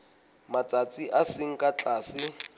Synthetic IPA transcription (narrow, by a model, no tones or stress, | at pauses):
mat͡sʼat͡sʼiʔasɪŋ̩kʼat͡ɬʼaːsɪ